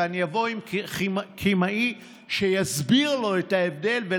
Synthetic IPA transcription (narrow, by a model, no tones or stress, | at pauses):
anijavo̞imkkʰimaʔi | ʃejazbiʁlo̞et̪haevd̪e̞lve